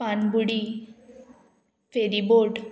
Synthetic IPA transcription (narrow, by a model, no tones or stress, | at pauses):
panbuɽi | feɾiboʈ